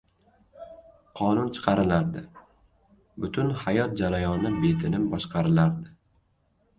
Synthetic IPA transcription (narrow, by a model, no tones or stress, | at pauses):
qʰɒnʊnt͡ʃʰɨ̥qʰɑɾɪlaɾd̪ɪ | bʊt̪ʰʊnhajɒt̪̚d͡ʒaɾajɒnɪbe̞t̪ʰɪnɪmbɒʃqɑɾɪlaɾd̪ɪ